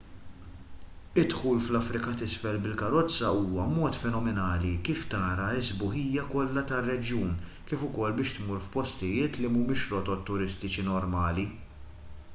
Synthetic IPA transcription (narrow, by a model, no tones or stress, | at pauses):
ɪt̪ːħuːlflɐfɾɪkɐt̪ɪsfɛlbɪlkɐɾɔt͡sːɐuːwɐmɔːt̪fɛnɔmɪnɐːlikiːft̪ɐːɾɐɪzbʊħiːjjɐkɔlːɐt̪ɐrːɛd͡ʒjuːnkiːfʊkɔlːbɪːʃt̪muːɾfpɔst̪ɪjɪːt̪limumɪʃɾɔt̪ɔt̪ːʊɾɪst̪ɪt͡ʃinɔɾmɐːli